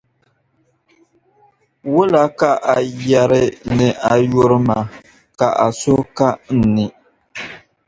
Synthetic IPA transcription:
wʊ˦la˨ka˦ʔa˨jɛ˦ɾɪ˦nɨ˨ʔa˨jo˦ɾɨ˦ma˨ | ka˨ʔa˨so˦ka˦n̩˨˦nɪ˨

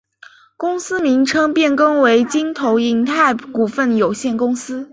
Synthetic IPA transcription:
kʊ˥ŋsɹ̩˥mi˧˥ŋʈ͡ʂʰɤ˥ŋpjɛ˥˩nkɤ˥ŋwe˧˥ɪt͡ɕi˥nt̪ʰo˧˥ʊi˧˥nt̪ʰa˥˩ɪku˨˩fə˥˩njo˨˩ʊɕjɛ˥˩nkʊ˥ŋsɹ̩˥

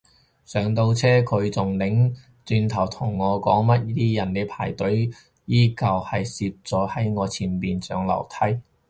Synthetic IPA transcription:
sœː˨˧ŋt̪o˧wt͡sʰɛː˥kʰɵ˨˧ɥt͡sʊ˨ŋlɪ˨˥ŋ | t͡syː˧nt̪ʰɐ˨˩wt̪ʰʊ˨˩ŋːɔː˨˧kɔː˨˥ŋmɐ˥t̚t̪iː˥jɐ˨˩nle˨˧jpʰa̰ː˨˩jt̪ɵ˨˥ɥ | jiː˥kɐ˨˧whɐ˨jsiː˧p̚t͡sɔː˨˥hɐ˨˥jŋɔː˨˧t͡sʰiː˨˧npiː˨nt͡sœ̰ː˨˧ŋlɐ̰˨˩wt̪ʰɐ˥j

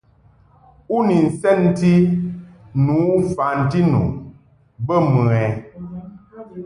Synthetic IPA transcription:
u˦ni˨n̩˨sɛ˦˨n˨ti˦ | nu˨˦fa˨n̩˨ti˦nṵ˨ | bə˦mə˨ɛ˨

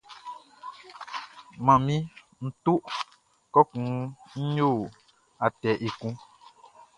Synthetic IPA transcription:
mã˨mĩ˦ | n̩˨tu˦ʔ | kɔ˦kũ˨˦ɲ̩˦ɲo˦˨ | a˨tɛ˨ʔe˨kũ˦

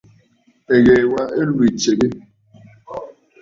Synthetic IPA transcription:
e˨ɣe˨wa˦ʔe˦lwi˨t͡ʃe˨ɣe˦

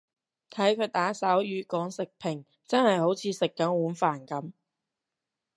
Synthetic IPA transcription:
t̪ʰɐ˨˥jkʰɵ˨˧t̪aː˨˥sɐ˨˥wjyː˨˧kɔː˨˥ŋsɪ˨k̚pʰɪ˨˩ŋ | t͡sɐ˥nhɐ˨jho˨˥wt͡sʰiː˨˧sɪ˨kːɐ˨˧˥nwuː˨˥nfaː˨˩nkɐ˨˥m

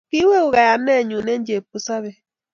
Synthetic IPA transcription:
ki˦we˦u˨ɣa˨ja˨m˦ne˦˨ɲu˨ne˦n̩˦d͡ʒe˨pu˦sa˦βe˦

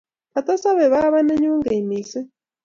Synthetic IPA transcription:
a˨t̪ɔ˦sa˦βɛ˨βa˦βa˦nɛ˦ɲu˦ŋɡe˨i˨miː˨sɛ˦

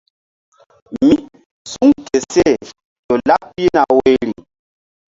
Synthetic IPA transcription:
mi˦ | su˦ŋke˨se˦˨ | jo˨la˦pi˦na˨we˦ɾi˨

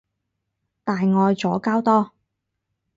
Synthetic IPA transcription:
t̪aː˨jŋɔː˨˧jt͡sɔː˨˥kaː˥wt̪ɔː˥

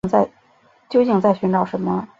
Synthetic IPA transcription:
t͡sa˥˩ɪ | t͡ɕjo˥ʊt͡ɕi˥˧ŋt͡sa˥˩ɪɕy˧˥nʈ͡ʂɑ˨˩ʊʂə˧˥nmə˧

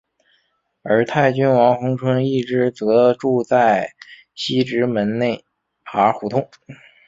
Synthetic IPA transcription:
ə˞˧˥t̪ʰa˥˩ɪt͡ɕy˥nwɑ˧˥ŋxʊ˧˥ŋʈ͡ʂʰwə˥ni˥˩ʈ͡ʂɻ̩˧˥t͡sɤ˧˥ʈ͡ʂu˥˧t͡sa˥˩ɪ | ɕi˥ʈ͡ʂɻ̩˧˥mə˧˥nne˥˩ɪ | xa˧˥xu˧˥t̪ʰʊ˥ŋ

